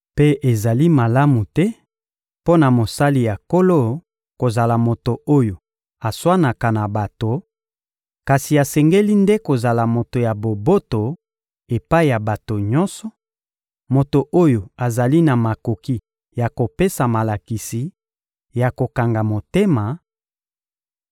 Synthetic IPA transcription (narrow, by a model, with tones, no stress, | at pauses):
pe˦e˨za˨li˦ma˨la˦mu˨tɛ˦ | po˦na˨mo˨sa˦li˨ja˨ko˦lo˦ | ko˨za˨la˨mo˨to˨o˦jo˨ | a˨swa˦na˨ka˨na˨ba˨to˨ | ka˨si˨a˨sɛ˨ŋɡe˦li˦nde˦ko˨za˨la˨mo˨to˨ja˨bo˨bo˦to˨ | e˨pa˦i˨ja˨ba˨to˨ɲɔ˦nsɔ˨ | mo˨to˨ʔo˦jo˨a˨za˨li˦na˨ma˨ko˨ki˦ | ja˨ko˨pe˦sa˨ma˨la˨ki˨si˨ | ja˨ko˨ka˨ŋɡa˨mo˨te˦ma˨